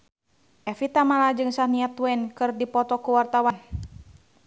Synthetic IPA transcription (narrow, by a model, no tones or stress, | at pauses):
ʔɛfit̪amalad͡ʒɨŋsahniat̪wɛnkɨrdipɔt̪ɔkuwart̪awan